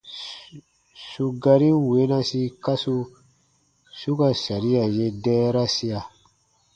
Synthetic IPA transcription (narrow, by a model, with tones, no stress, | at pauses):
su˨ɡa˨ɾi˦we˨˦na˦si˦ka˦su˦ | su˦ka˨sa˨ɾi˦a˨je˦dɛ˦ɾa˦si˦a˨